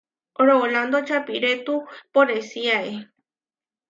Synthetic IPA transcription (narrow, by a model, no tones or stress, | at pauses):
ɾooland̪ot͡ʃapiɾet̪upoɾesiae